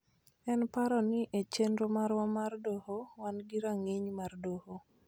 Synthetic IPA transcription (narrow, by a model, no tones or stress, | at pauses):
ɛnpaɾɔnɪʔet͡ʃenɾomaɾwamardohowanɡiɾaŋeɲmardoho